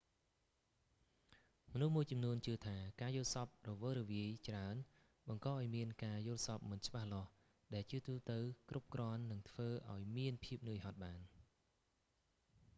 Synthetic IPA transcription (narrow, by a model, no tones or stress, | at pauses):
mɔnuhmuəjt͡ɕɑmnuənt͡ɕɨət̪ʰaːkaːjʊ̆əlsɑp̚rɔʋəːɾɔʋiəjt͡ɕraən | ɓɑŋkɑːʔaɔjmiənkaːjʊ̆əlsɑp̚mɨnt͡ɕəɓahlŏəh | ɗaɛlt͡ɕɨət̪uːt̪ɨwkrʔup̚krŏənːɨŋt̪ʰʋəːʔa̰ɔjmiənpʰiəp̚nɨəjɦɑt̪̚ɓaːn